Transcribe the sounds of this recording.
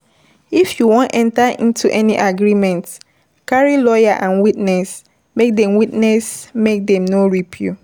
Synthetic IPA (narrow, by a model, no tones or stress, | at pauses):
ifjuwõntɛ̃ntaʔḭ̃ntuʔɛniʔaɡɹimɛ̃nt | kaɹilɔjaʔãnwitnɛs | mek̚dɛ̃mwitnɛsmek̚dɛ̃mnoɹipʰjṵ